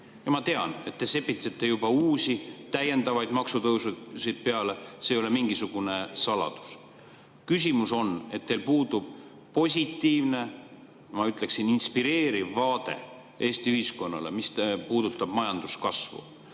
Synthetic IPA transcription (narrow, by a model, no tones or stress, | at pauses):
jɑmɑt̪e̞ɑne̞t̪ːe̞se̞pːˑit̪set̪ːe̞jubɑuːsit̪æje̞nd̪ɑvɑjd̪̥mɑksut̪ɤwsusijd̪̥̚pe̞ɑle̞se̞ːjo̞lemiŋɡisuɡ̥une̞sɑlɑ̰d̪̥u̥s | kys̬ʲimuso̞ne̞t̪ːelpuːd̪ub̥ | po̞sʲit̪ːiːvne̞ | mɑyt̪ːˑle̞ksininspiɾe̞ːɾivːɑːd̪̥e̞̰ | e̞ːst̪iyhisko̞nːɑ̰le̞̰mist̪puːd̪̥ut̪ːˑɑb̥mɑjɑnd̪̥uskɑsvṵ